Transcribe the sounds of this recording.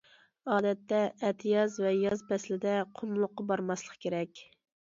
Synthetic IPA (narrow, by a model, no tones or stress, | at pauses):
ɑːd̪ɛt̪ːɛɛt̪ʰɪjɑzvɛjɑzbɛslɪd̪ɛqʰʊmlˠʊqːɑbɑɾmɑslˠə̥qkʲeɾɛkʲ